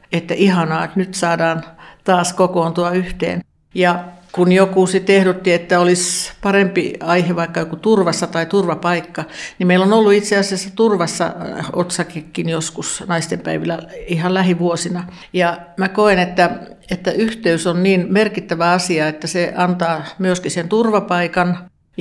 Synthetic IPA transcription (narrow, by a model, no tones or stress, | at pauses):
et̪ːæʔihɑnɑːet̪nyt̪sɑːdɑːnt̪ɑːskokoːnt̪uɑyht̪ḛːn | jɑkunjokusit̪ehɾot̪ːiet̪ːæolispɑrempḭɑiheʋɑikːɑjokut̪urʋɑsːɑt̪ɑit̪urʋɑpɑikːɑnimeilonolːuit̪seɑsiɑsːɑt̪urʋɑsːɑ̰ot̪sɑkekːinjoskusnɑist̪empæiʋilːˑæihɑllæhiʋuosinɑ | jɑmækoinet̪ːæ | et̪ːæyht̪eysonniːnmerkit̪ːæʋæɑsiɑet̪ːæseʔɑnt̪ɑːmyøskiseent̪urʋɑpɑikɑn